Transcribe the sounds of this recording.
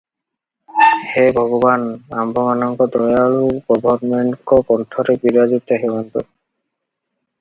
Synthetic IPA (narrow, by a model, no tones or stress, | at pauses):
hejbʱɔɡɔbanambʱɔmanɔŋkɔd̪ɔjaɹupɔbʱɔɾmeɳkɔkɔntʰɔɾɛbiɾazit̪ɔɦiwɔnt̪ɔ̰